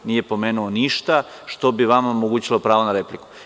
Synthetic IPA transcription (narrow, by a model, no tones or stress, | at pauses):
nije̞po̞meːnuoniʃt̪a | ʃt̪o̞biʋamomoɡuːt͡ɕilopɾaːʋonaɾepliku̥